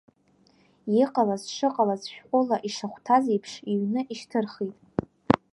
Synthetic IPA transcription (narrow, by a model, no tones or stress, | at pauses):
jiqʼalazʂɨqʼalazʃᶣqʷʼʊlaʔiʂaχʷtʰazejpʰʂiɥnɨʔiʃtʰɨrχitʼ